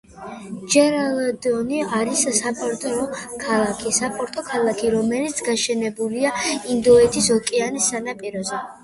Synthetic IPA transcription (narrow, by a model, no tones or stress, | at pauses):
d͡ʒɛɾalˠɔd̪ɔniaɾisːapʼɔɾt̪ʼɔkʰalˠakʰisapʼɔɾt̪ʼɔkʰalˠakʰiɾɔmɛlit̪sʰɡaʃɛnɛbuliaind̪ɔɛt̪ʰisɔkʼianisːanapʼiɾɔzɛ